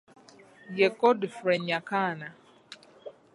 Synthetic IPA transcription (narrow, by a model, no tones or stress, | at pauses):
jɛkɔdɪfɾɛɲakana